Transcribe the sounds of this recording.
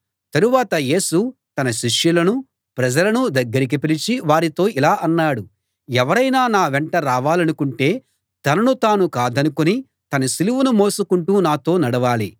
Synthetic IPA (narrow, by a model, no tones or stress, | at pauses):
t̪ɐɾuʋaːt̪ɐje̞ːsut̪ɐnɐʃiʂjulɐnu | pɾɐd͡ʒɐlɐnud̪ɐɡːɐɾik̬ipilit͡ʃiʋaːɾit̪o̞ːʔilaːʔɐnːaːɽu | ɛʋɐɾɐjnaːnaːʋɛɳʈɐɾaːʋaːlɐnukuɳʈe̞ː | t̪ɐnɐnut̪aːnukaːd̪ɐnukuni | t̪ɐnɐsiluʋunumo̞ːsukuɳʈuːnaːt̪o̞ːnɐɽɐʋaːli